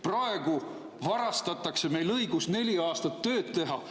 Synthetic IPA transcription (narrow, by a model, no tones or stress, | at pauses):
prɑe̞ɡ̥u | vɑɾɑst̪ɑt̪ːˑɑkse̞me̞jlɤjɡ̥usne̞lʲiɑːst̪ɑt̪ːø̞ːdt̪t̪ːe̞ɦɑ